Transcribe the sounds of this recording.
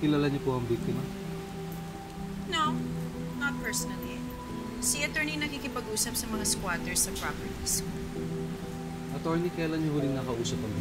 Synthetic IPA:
kɪlaːlaɲopoʔɐŋbik̚t̪ɪmɐ | no | nɐt̪̚pɛɹsɔnɐli | siʔɐt̪ɛɹninɐkiːkɪpɐɡʔuːsɐp̚sɐmɐŋaskwaːt̪ɛɹsɐpɹapɛɹt̪isk | ʔɐt̪ɔɹnikɐjaːlanɲohuːlɪŋnɐkɐʔuːsɐp̚ɐŋ

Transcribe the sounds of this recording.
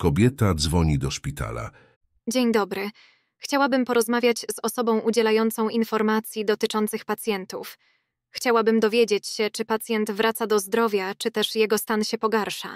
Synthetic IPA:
kɔbʲjɛt̪ad̪zvɔɲid̪ɔʂpʲit̪a̰la̰ | d͡ʑeɲd̪ɔbɾɘ | xt͡ɕawabɘmpɔɾɔzmavʲjat͡ɕz̥ɔsɔbɔ̃w̃ʔud͡ʑɛlajɔnt̪sɔ̃w̃infɔɾmat̪sʲjid̪ɔt̪ɘt͡ʂɔnt̪sɘxpat̪sʲjɛnt̪uf | xt͡ɕawabɘmd̪ɔvʲjed͡ʑet͡ɕɕɛt͡ʂɘpat̪sʲjɛnt̪vɾʔat̪sad̪ɔzd̪ɾɔvʲjat͡ʂɘt̪ɛʂjɛɡɔst̪anɕɛpɔɡaɾʂa̰

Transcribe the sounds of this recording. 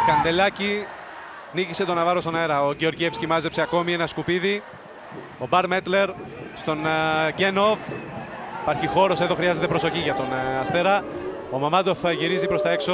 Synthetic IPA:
kɐnd̪e̞lɐci | nicise̞t̪o̞nɐvɐɾost̪onɐeɾɐoʝeo̞ɾʝiefscimɐze̞pseɐko̞mienɐskupiði | o̞bɐɾmet̪le̞ɾ | st̪o̞nɟeno̞f | ipɐɾçixo̞ɾo̞se̞ðo̞xɾiɐze̞t̪e̞pɾo̞so̞çiʝɐt̪o̞nɐst̪e̞ɾɐ | o̞mɐmɐt̪o̞fʝiɾizipɾost̪ɐekso

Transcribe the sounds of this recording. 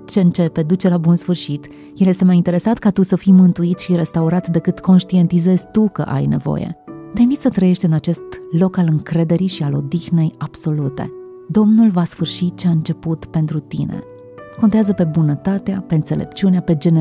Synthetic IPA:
t͡ʃe̞ɨnt͡ʃe̞pe̞d̪ut͡ʃe̞labunsfɨrʃit̪ | jeljest̪emajint̪e̞ɾe̞sat̪kat̪usəfimɨnt̪uit̪ʃiɾe̞st̪auɾat̪d̪e̞kɨt̪ko̞nʃt̪ie̞nt̪ize̞z̥ʲt̪ukə̰ʔa̰jne̞̰vo̞̰jḛt̪einvit̪sət̪ɾəje̞ʃt̪ʲɨnat͡ʃe̞st̪lo̞kalɨŋkɾe̞d̪e̞ɾiʃialo̞d̪ixne̞jab̥so̞lut̪e̞̰ | d̪o̞mnulvasfɨrʃit̪̚t͡ʃeaɨnt͡ʃe̞put̪pe̞nt̪ɾut̪ḭnḛ | kont̪eazəpe̞bunət̪at̪eape̞ɨnse̞le̞̰pt͡ʃuneape̞d͡ʒe̞ne

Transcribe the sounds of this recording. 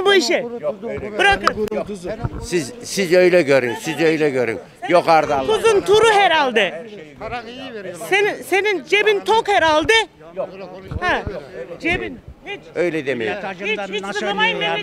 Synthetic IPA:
buiʃɛ | bɯɾakɯ | sizsizøjlʲɛɟøɾinsizøjlʲɛɟøɾy̰m | jokaɾd̪afuzunt̪ʰuɾuheɾalʲˠd̪ɪ | senisenind͡ʒebint̪ʰokheɾalʲˠd̪ɪ | hæ̃d͡ʒebinit͡ʃøjlʲɛd̪emejiiit͡ʃ̪lˠɯmajee

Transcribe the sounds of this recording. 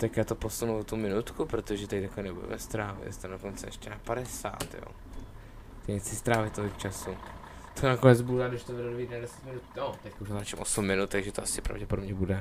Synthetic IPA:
t̪akjaːt̪opo̞sunuvot̪umɪnut̪kupɾot̪oʒɛt̪ɛct̪aklɛnɛbudɛ̰mɛst̪ɾaːvɪ̰tst̪andokont͡sɛɛ̰ʃcɛnakpaɾɛsa̰ːt̪jo̰ː | t̪ɛɲɛt͡sɪst̪ɾaːvɪt̪ːovɪkt͡ʃasu | t̪ʰonakonɛd͡zbuɾaːɡdɪʃt̪ovɛdodvidnadɛsɛ̥t̪mɪnut̪jot̪ɛc̚kowʒaat͡ʃɛmʔosumːɪnut̪̚t̪aɡʒɛt̪oʔasɪpɾa̰vɟɛpodo̞bɲɛbudɛ

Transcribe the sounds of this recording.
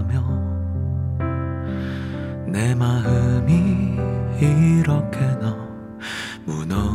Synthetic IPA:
mjʌ | nemaɦɯmi | iɾʌkʰenʌ | munʌ

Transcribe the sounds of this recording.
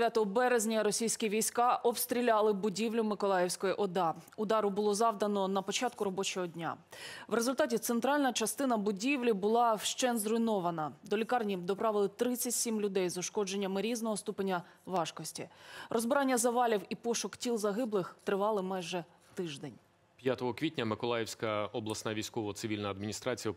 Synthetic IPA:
d̪ʋʲjat̪ɔɦɔbɛɾezʲnʲɐɾɔsʲijsʲkʲiʋʲijsʲkɑʔɔbst̪ɾʲilʲalˠɪbʊdʲiwlʲʊmɪkɔlˠɑjɛwsʲkɔjiʔɔd̪ɑʊd̪ɑɾʊbʊlˠɔzɑwd̪ɐnɔnɐpɔt͡ʃɑt̪̚kʊɾɔbɔt͡ʃɔɦɔdʲnʲa̰wɾezʊlʲt̪ɑtʲit̪sent̪ɾɑlʲnɐt͡ʃɐst̪ɪnɐbʊdʲiʋlʲibʊlˠɑwʃt͡ʃɛnzrʊjnɔʋɐnɐd̪ɔlʲikɑrnʲid̪ɔpɾɑʋɪlˠɪt̪ɾɪt͡sʲːɐtʲsʲimlʲʊd̪ɛjzɔʃkɔd͡ʒe̞nʲːɐmɪɾʲiznɔɦɔst̪upenʲːɐ | ʋɑʃkɔsʲtʲiɾɔzbɪɾɑnʲːɐzɐʋɑlʲiwipɔʃʊktʲilˠzɐɦɪblˠɪxt̪ɾɪʋɑlˠɪmɑjʒɛ | t̪ɪʒd̪ɛnʲ | pjat̪ɔɦɔkʋʲitʲnʲɐmɪkɔlˠɑjɛwsʲkɐɔblˠɐsnaʋʲijsʲkɔʋɔt̪sɪʋʲilʲnɐɐd̪mʲinʲist̪ɾɑt͡sʲijɐ

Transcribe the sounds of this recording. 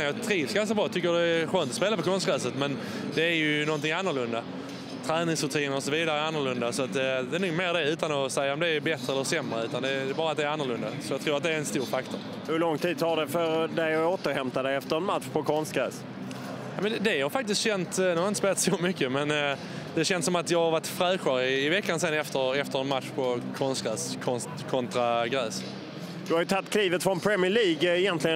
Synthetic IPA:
jɑt̪ʰɾiːsɡanskabɾɑːt̪ʰʏkːədɛːɧøːnt̪ɔ̥speːlapɔkʰɔns̚kɾæːsət̪mɛn | d̪ɛːɾjɵnɔnt̪ɪŋanːəɾɭlɵnd̪a | t̪ʰɾɛːnɪŋsɾɵt̪ʰiːnəɾɔsɔviːd̪aɾəanːəɾɭlɵnd̪asɔat̪̚d̪d̪ɛːnuːɡmeːɾd̪ɛʉ̟ːt̪anɔsɛjːaɔmd̪ɛːbɛt̪ɾəɛlːəsɛmːɾəʉ̟ːt̪and̪ɛd̪ɛːbɑːɾat̪̚d̪ɛːɾanːəɾlɵnd̪asɔjɑɡt̪ʰɾuːɾat̪d̪ɛæɾɛnst̪uːɾfakt̪ʰɔɾ | hɵɭɔŋt̪ʰiːd̪̚t̪ʰɑɖɛfœɾd̪ɛjɔoːt̪əɾhɛmt̪ad̪ɛɛft̪əɾɛnmat̪ɧpʰɔkʰɔnst̪̚ɡɾɛ̰ːs | aɪmɛnɛd̪ɛhɑɾfak̚t̪ɪskt̪ɕɛnt̪nʉhaɾɪnt̪əspeːlat̪sɔmʏkːəmɛn | d̪ɛɕɛnsɔmat̪jɑːɡhaɾvaʈfɾɛːɧaɾɪɪvɛkːansɛnːɛft̪əɾɛft̪əɾɛnmat̪ʂpʰɔkʰɔnst̪̚ɡɾɛːskʰɔnst̪kʰɔnt̪ɾaɡɾɛːs | d̪̥ɵhaɾjʏt̪ʰat̪ːkʰliːvət̪fɾɔnpʰɾɛmɪəɭiːɡɛjɛnt̪lɪə

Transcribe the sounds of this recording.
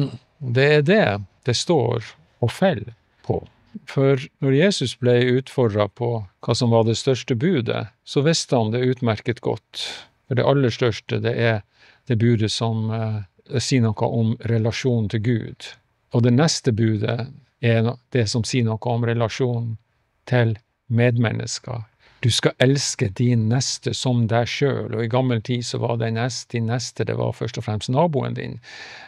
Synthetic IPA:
d̪ɛːd̪ɛd̪̥ɛst̪o̰ːɾ | ɔfɛl | pʰɔ̰ | fɔɾnɔɾjeːsʉsblɛɪʉːt̪fɔɖɾɑpʰɔkʰɑːsɔmʋɑɖɛst̪œʂʈəbʉːd̪ə̰sɔʋɪst̪əhɑnd̪ɛʉːt̪mæɾkət̪ɡɔ̰t̪ː | fɔɖɛ̰ʔɑlːəʂt̪œʂʈəd̪ɛʔɛɾ | d̪̥ɛbʉːd̪əsɔm | siːənɔkːə̰ʔɔmɾɛlɑʂuːnnt̪ʰɪlɡʉ̰ːd̪̥ | ɔd̪ɛnɛst̪əbʉːd̪ə̰ | ɛd̪̥ɛsɔmsiːənɔkːəɔmɾɛlɑʂuːnn | t̪ʰɪl | meːd̪mɛ̰nːʔə̰skɑ̰ | d̪̥ʉskɑʔɛlskəd̪ɪnːɛst̪əsɔmd̪æɪʂø̰ːlʔɔɪɡɑmːəlt̪ʰiːsɔʋɑ̰d̪ɛɪnɛst̪̚d̪̥ɪnːɛst̪əd̪ɛ̰ʋɑ̰ɾfœʂʈɔfɾɛmst̪nɑːbuːə̰nd̪ɪ̰n

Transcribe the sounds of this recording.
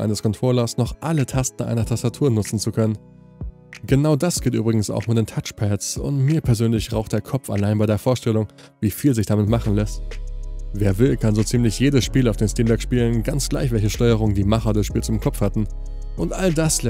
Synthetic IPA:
ʔa̰ɪnəskʰɔntʁ̥oʊlɐsnɔχʔalətʰastn̩ʔa̰ɪnɐtʰastatʰuːɐnʊt͡sn̩t͡sukʰœnən | ɡ̥ənaʊdasɡ̥eːty̰ːbʁɪɡŋ̩sa̰ʊxmɪt̚d̥eːntʰat͡ʃpʰɛtsʊ̰ntmiːɐpʰɛɐzøːnlɪçʁaʊxtd̥eːɐkʰɔpfa̰laɪnbaɪɾeːɐfoːɐʃtɛlʊŋ | viːfiːlzɪçd̥amɪtmaχn̩lɛst | veːɐvɪlkʰanzoːt͡siːmlɪçjeːdəsʃpiːlaʊfd̥eːmstiːmbɛkʃpiːlənɡant͡sɡ̥laɪçv̥ɛlçəʃtɔʏəʁ̞ʊŋəndiːmaχɐdəsʃpiːlsɪmkʰɔpfhatn̩ | ʔʊntʔaldaslɛ

